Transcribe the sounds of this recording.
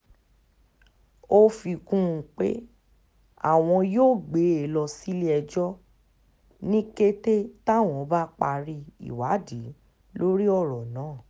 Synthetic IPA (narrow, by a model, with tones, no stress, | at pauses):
o˦fi˧kũ˦ũ˧k͡pḛ˦ | a̰˦˨w̃ɔ̃˧joː˦˨ɡ͡be˨˦e˨lɔ˧si˦li˦ɛ˧d͡ʒɔ˦ | nĩ˦ke˦te˦ta˦˨w̃ɔ̃˧˦ba˦k͡pa˧ɾi˧ḭ˨wa˨˦di˨˦ | lo˦ɾi˦ɔ˦˨ɾɔ˨nãː˨˦˨